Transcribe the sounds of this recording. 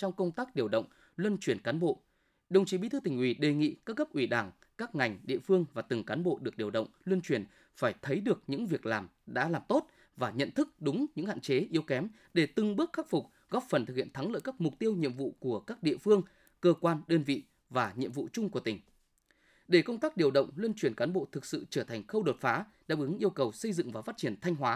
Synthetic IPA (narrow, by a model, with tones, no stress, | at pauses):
t͡ɕɔ˧wŋ͡mkə˧wŋ͡mt̪aː˦˥k̚ɗi˨˩əwɗə̰˧˨wŋ͡m | lwə˧nt͡ɕwi˧˩ənkaː˨˦nɓo̰˧˨ | ɗə˨˧˩wŋ͡mt͡ɕi˨˦ɓi˧˥t̪ʰt̪ï˨˩ŋ̟ʔwi˧˩ɗe˨˩ŋḭ˧˨kaː˦˥k̚ɣə˦˥p̚ʔwi˧˩ɗaː˧˩ŋ | kaː˦˥k̚ŋa˨˩jŋ̟ɗḭ˧˨əfɨ˧əŋvaː˨˩t̪ɨ˨˩ŋkaː˨˦nɓo̰˧˨ɗɨ˨˩ək̚ɗi˨˩əwɗə̰˧˨wŋ͡mlwə˧nt͡ɕwi˧˩ən | faː˧˩jt̪ʰə˨˦jɗɨ˨˩ək̚ɲɨ̰˧˥ŋvi˨˩ək̚laː˨˩mɗa̰ː˧˥laː˨˩mt̪o˦˥t̚ | vaː˨˩ɲə̰˧˨nt̪ʰɨ˦˥k̚ɗʊ˨˦ŋ͡mɲɨ̰˧˥ŋha̰ː˧˨t͡ɕe˨˦ʔi˨˦əwkɛ˨˦m | ɗe˧˩t̪ɨ˨˩ŋɓɨ˦˥ək̚xa˦˥t̚fʊ˨˩k͡p̚ | ɣɔ˦˥p̚fə˨˩nt̪ʰɨ˨˩k̚hi˧˨ənt̪ʰŋlə̰ː˧˨jkaː˦˥k̚mʊ˨˩k͡p̚t̪i˧əwɲḭ˧˨əmvṵ˧˨ku˧˩əkaː˦˥k̚ɗḭ˧əfɨ˧əŋ | kəː˧kwaː˧nɗəː˧nvḭ˧˨ | vaː˨˩ɲḭ˧˨əmvṵ˧˨t͡ɕʊ˧ŋ͡mku˧˩t̪ï˨˩ŋ̟ | ɗe˧˩kə˧wŋ͡mt̪aː˦˥k̚ɗi˨˩əwɗə̰˧˨wŋ͡mlwi˧ənt͡ɕwi˧˩ənkaː˨˦nɓo̰˧˨t̪ʰɨ˨˩k̚sɨ̰˧˨t͡ɕəː˧˩t̪ʰa˨˩ŋ̟xə˧wɗo˨˩t̚faː˨˦ | ɗa̰ː˧˥ʔɨ˨˦ŋʔi˧əwkə˨˩wsə˧jzɨ̰˧˨ŋvaː˨˩faː˦˥t̚t͡ɕi˧˩ənt̪ʰa˧jŋ̟ɦwaː˨˦